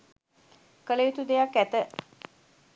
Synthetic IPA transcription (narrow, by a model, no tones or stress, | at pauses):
kələit̪ud̪ejakːæt̪ə